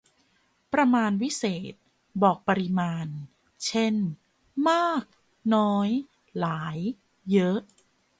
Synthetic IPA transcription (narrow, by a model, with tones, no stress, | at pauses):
pɾa˧maː˧nwi˦˥seː˨˩t̪̚ | bɔː˨˩k̚pa˧ɾi˧maː˧n | t͡ɕʰe˥˩n | maː˥˩k̚ | nɔː˦˥j | laː˩˦jː | ɤ˦˥ʔ